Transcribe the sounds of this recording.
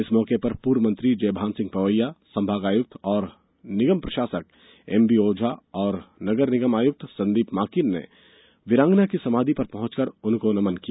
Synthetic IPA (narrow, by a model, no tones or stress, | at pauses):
ɪsmɔːkepɐɾpuːɾʋəmɐ̃nt̪ɾid͡ʒeːbʱaːnsɪ̃ŋɡ̚pɾɐʋəjːasɐ̃mbʱaːɡaːjʊk̚t̪ʰɔːɾ | nɪɡəmpɾɐʃaːsək̚ | ḛːmbioːd͡ʒʱaɔːɾnɐɡəɾnɪɡəmaːjʊk̚t̪ʰsɐ̃nd̪iːpmaːkɪnːḛ | ʋɪɾãːŋɡnakisɐmaːd̪ʱipɐɾpɐɦʊ̃t͡ʃkɐɾʊnkonɐmənkijaː